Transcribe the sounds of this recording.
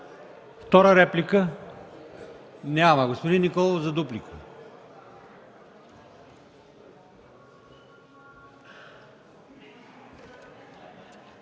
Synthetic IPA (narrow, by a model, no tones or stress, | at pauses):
ft̪ɔɾəɾɛplikə | nʲamɐɡospod̪inːikɔlˠozɐd̪uplikʰə̥